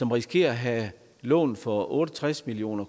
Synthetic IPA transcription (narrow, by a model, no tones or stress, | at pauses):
sɒ̽mʁisɡ̥ʰe̝̰ːɐɦæ | lɔ̰̽ːn̩fɒ̽ʔɔ̽ːɾət͡sʰʁasmilio̝̰ːnɐ